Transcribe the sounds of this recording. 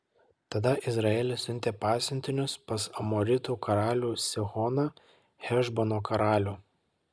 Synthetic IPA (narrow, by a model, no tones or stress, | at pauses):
t̪ɐd̪ɐʔɪzɾɐeːlʲɪsʲʊnʲt̪ʲeːpɑːsʲɪnʲt̪ʲɪnʲʊspɐsɐmoːɾʲɪt̪uːkʰɐɾɑːlʲuːsʲɪɣɔːnɐ | hʲɛʒbonoːkɐɾɑːlʲuː